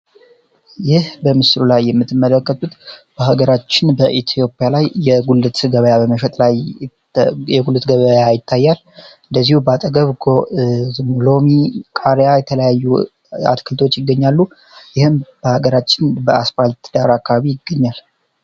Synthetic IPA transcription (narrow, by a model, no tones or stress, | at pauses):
jɪhbəmɨslulajːɛmːɨt̪ːɨmːələkːət̪ʼut̪b̥əɦaɡəɾat͡ʃːɪnbəʔit̪ʰjo̞pʼjalajːɛɡulɨt̪ɡəβəjabəməʃɛt̪ʼlaj | ɛɡulɨt̪ɡəβəjajɪt̪ʰːajːal | ɨnd̪əzːihubəat̪ʼəɡəβɡ | mlo̞mikʼaɾejajɛt̪ʰələjajːu | a̰t̪kʰɨlt̪ʰo̞t͡ʃːjɪɡːəɲːalːu | jɪhɨmb̥əhaɡəɾat͡ʃːɪnbəasfalt̪d̪̥aɾakʰːaβaβijɪɡːəɲːal